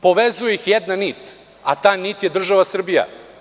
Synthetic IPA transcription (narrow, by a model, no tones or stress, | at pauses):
po̞ʋezujeixjed̪nanit̪ | at̪aːjnit̪jed̪r̩ʒaʋasr̩bija̰